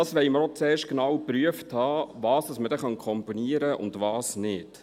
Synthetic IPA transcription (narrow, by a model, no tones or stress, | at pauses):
ɑːsʋɛɪməɾɔt͡seːʃkenɑwpɾyəfthɑːvɑːsdɑsmədɛχɑnkʰɔmpɔniəɾəʔʊ̰ndʋɑːsnɪt